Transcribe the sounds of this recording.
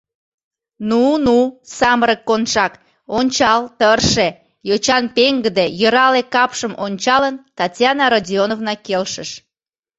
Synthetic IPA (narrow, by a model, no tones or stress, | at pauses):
nunusɑməɾəkːonʃɑk | onʲt͡ɕɑlt̪ərʃe | jot͡ɕɑnpeŋɡəd̪ejəɾɑlekɑpʃəmʔonʲt͡ɕɑlənt̪ɑtʲjɑnɑɾodʲionovnɑkelʃəʃ